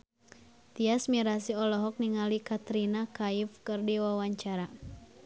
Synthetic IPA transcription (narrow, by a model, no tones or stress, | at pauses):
t̪iasmiɾasiɔlɔɦɔk̚niŋalikat̪ɾinakaifkɨrdiwawaɲt͡ʃaɾa